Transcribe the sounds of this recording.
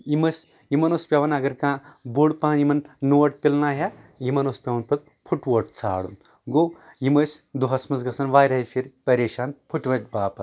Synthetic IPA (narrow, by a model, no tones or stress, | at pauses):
imɐsʲ | imɐnoːspʲjɐʋɐnɐɡɐɾkãːboːɽpaːnjimɐnːuʋɐʈ̚pilnaːɦja | jimɐnoːspʲɐʋɐnpɐt̪ | pʰuʈʋoːʈt͡sʰa̰ːɽṵn | ɡoːw | jimɐːsʲd̪uɦɐsmɐs̬ɡɐsɐnʋaːjɾɐifʰiɾpɐɾeːʃaːnpʰuʈʋɐt̪̚baːpɐt̪